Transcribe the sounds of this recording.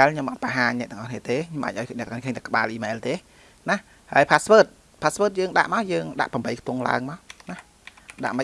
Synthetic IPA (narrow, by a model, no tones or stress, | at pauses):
ɛɛlʰɲomʔɑt̪̚paɦaːɲnɛ̆əʔt̪ɛə̆ŋʔɑhkniət̪eːɲomʔaːc̚ʔaɔjnɛ̆ʔ̪niəkʰːŋt̪akə̆ɓaːlʔiːmɛːlt̪eː | nah | haəjpʰasʋəːt̪̚ | pʰaːsʋəːt̪̚jəːŋɗa̰ʔmaəwjəːŋɗa̰ʔpɑmbəjkʰt̪ŭəŋla̰əŋmaənah | ɗa̰ʔmə